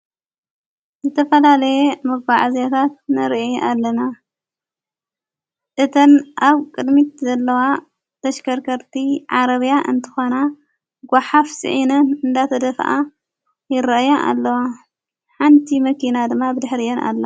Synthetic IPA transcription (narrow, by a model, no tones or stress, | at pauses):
zɨt̪ʰɐfɐlalɐjemɐɡbaʕazjat̪ʰat̪̚nɨɾiʔeʔalːɐna | ʔɨt̪ʰɐnʔaβkʼɨd̪mit̪zɐlːɐwa | t̪ʰɐʃkʰɐɾkʰɐɾt̪ʰiʕaɾɐβjaʔɨ̰nt̪ʰɨ̥xona | ɡʷaħafsɨ̰ʕinɐnɨnd̪at̪ʰɐd̪ɐfʔa̰ | jɪɾɐʔjaʔa̰lːɐwa | ħant̪ʰimɐkinad̪ɨmːabɨd̪ɨħɾijona̰lːɐ